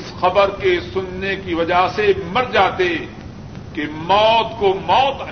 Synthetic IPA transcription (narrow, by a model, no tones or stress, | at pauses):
sxɐbəɾkesʊnːekiʋɐd͡ʒasemɐɾd͡ʒaːt̪e | kemɔːt̪komɔːt̪